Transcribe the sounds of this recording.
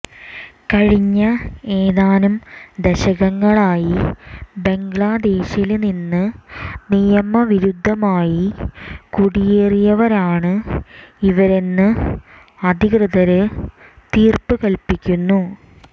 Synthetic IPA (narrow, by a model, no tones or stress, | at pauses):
kɐɻiɲːɐeːðaːnumd̪eɕɐɣɐŋːɐɭaːjibe̞ŋɡɭaːd̪e̞ːɕilninːɨnijɐmɐʋiɾud̪ʱːɐmaːjikuɽijeːrijɐʋɐɾaːɳɨ | iʋɐɾe̞nːɨ | ɐd̪ʱikrɨðɐɾɨ | t̪iːrpɨkɐɭpikʲːunːu